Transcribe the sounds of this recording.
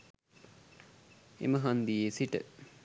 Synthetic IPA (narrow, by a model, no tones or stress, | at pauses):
ḛməɦɐnd̪ijesiʈə̰